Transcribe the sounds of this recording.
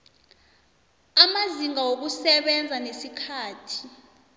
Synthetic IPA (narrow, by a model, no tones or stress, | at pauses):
amaziŋawok̬usɛɓɛnd͡zʱanesikʰaːtʰi̥